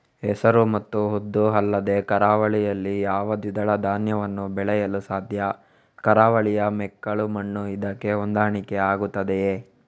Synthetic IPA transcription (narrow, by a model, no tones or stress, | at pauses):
ɦɛsɐɾumɐt̪ːuɦod̪ːuɦɐlːɐd̪e̞kɐɾaːʋɐɭijɐlːijaːʋɐd̪id̪ɐɭɐd̪ʱaːnjɐʋɐnːubɛɭɛjɐlusaːd̪ʱjɐ | kɐɾaːʋɐɭijɐmɛkːɐɭumɐɳːuid̪ɐkːe̞ond̪aːɳikeaːɡut̪ːɐd̪eeː